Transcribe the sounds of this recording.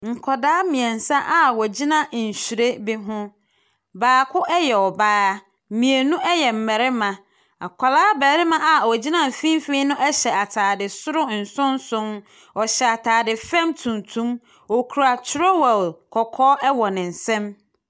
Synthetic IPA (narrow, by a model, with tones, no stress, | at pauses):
ŋ̩˨kʰɔ˨daː˦mĩ˨ɛ˨n̩˨sã˦ʔa˨wɔ˨d͡ʑi˦nã˦n̩˨ɕu˨ɾe˦bɪ˦ɦʊ̃˦ | baː˨kʰʊ˦ʔɛ˦jɛ˨ɔ˨baː˦a˦˨ | mĩ˨e˨nũ˦ʔɛ˦jɛ˨m̩˨mɛ˨ɾɪ˦mã˨ | a̰˨kʰʷa˨laː˦bɛː˨˦ɾɪ˦mã˦ʔa˨wɔ˨d͡ʑi˦nã˦m̩˨fĩ˦m˦fĩ˦nʊ̃˦ʔɛ˦ɕɛ˨a˨tʰaː˨dɪ˨sʊ˦ɾʊ˦n̩˨sʊ̃˦n˦sʊ̃˦m | ɔ˨ɕɛ˨a˨tʰaː˨dɪ˨fɛ̃˦mtʰũ˨ntʰũ˦m | ɔ˨kʰu˨ɾa˨tʰɾɔ˦wɛ˨lkʰɔ˨kʰɔː˦ʔɛ˦wɔ˨nɪ̃˨n̩˨sɛ̃˦m